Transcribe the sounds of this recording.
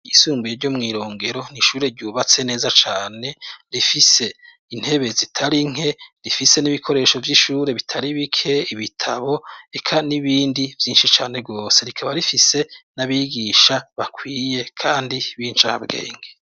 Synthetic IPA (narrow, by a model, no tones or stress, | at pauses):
isuːmbujeɾɟo̞mŋiːɾo̞ːŋɡe̞ɾo̞niʃuːɾe̞ɾɟuːβat͡se̞ne̞ːzat͡ʃaːne̞ɾifise̞ | in̥he̞βe̞zitʰaɾiŋ̥e̞ɾifise̞niβikʰo̞ɾe̞ːʃo̞vjiʃuːɾe̞βitʰaɾiβikʰe̞iβitʰaβo̞e̞kʰaniβiːndivjiːnʃit͡ʃaːne̞ɡo̞ːse̞ɾikʰaβaɾifise̞naβiɡiːʃaβakwiːje̞kʰaːndiβiːnt͡ʃaha̰bɡḛːŋɡe